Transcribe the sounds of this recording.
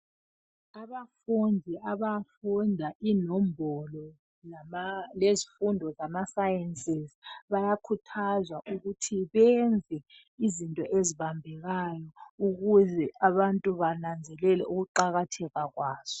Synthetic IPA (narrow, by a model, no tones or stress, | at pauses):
aβafundʱiʔaβafundʱaʔinɔmbʱɔlɔ | lamalezifundʱɔzamasajɛnsʼizβajakʰutʰazwaʔuɣutʰiβɛnd͡zʱɛ | izintʼɔʔeziβambʱɛɣajɔuɣuzɛaβantʼuβanand͡zʱɛlɛlɛ̰ʔuɣuǃaɣatʰɛɣaɣwaːz̥ɔ